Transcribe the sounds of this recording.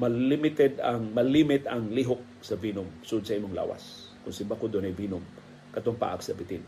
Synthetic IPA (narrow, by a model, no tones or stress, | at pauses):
mɐlɪmɪt̪ɛd̪ɐŋmɐlimɪt̪ɐŋliɦʊk̚sɐvinʊmsʊʔʊd̪̚sɐʔimoŋla̰ːwa̰s | kʊnsɪmbakod̪onɐjviːnʊm | kɐt̪oŋpa̰ʔɐksɐbɪt̪ɪn